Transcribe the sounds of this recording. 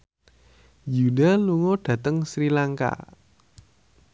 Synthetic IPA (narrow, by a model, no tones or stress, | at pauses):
judaluŋoɖ̥ä̤t̪əŋsɾilaŋka̰